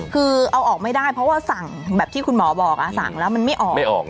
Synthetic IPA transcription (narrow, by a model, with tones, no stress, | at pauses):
kʰɯː˧ʔa˧wʔɔː˨˩k̚ma˥˩jda˥˩jpʰɾɔ˦˥waː˥˩sa˨˩ŋ | bɛː˨˩p̚t̪ʰiː˥˩kʰu˧nmɔː˩˦bɔː˨˩k̚ʔa˧˩sa̰˨˩ŋlɛː˦˥wma˧nma˥˩jʔɔː˨˩a˥jʔɔ̰ː˨˩k̚